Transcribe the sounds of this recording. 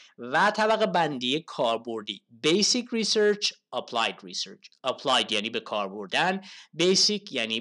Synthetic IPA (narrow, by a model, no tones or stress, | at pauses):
væt̪ʰæbæɣebænd̪ijekʰɒːɾbo̞ɾd̪iːbejsikʰriseɾt͡ʃʰɒpʰlɑːjd̪ɾiseɾt͡ʃɒpʰlɑjd̪jæːniːbekʰɒːɾboɾd̪ænbejsikʰjæniː